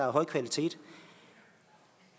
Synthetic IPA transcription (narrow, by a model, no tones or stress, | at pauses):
ɑɦɒ̽ɪ̰kʰʋælit͡sʰe̝̰ːd̥